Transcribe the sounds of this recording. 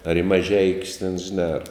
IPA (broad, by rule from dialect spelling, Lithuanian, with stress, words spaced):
ɐr ɪ mɐˈʒʲɛɪkʲʊs tʲɛn ʒʲɪˈnɑː ɐr